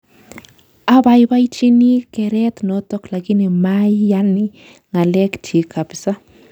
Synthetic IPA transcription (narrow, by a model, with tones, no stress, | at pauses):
a˦ba˨jba˦jt͡ʃi˦ni˦kɛɾɛt̪no˨tɔ˦kla˨ɣi˦ni˨ma˦jjani˦ | ŋa˨lɛ˦kt͡ʃi˨kʰa˨psa˦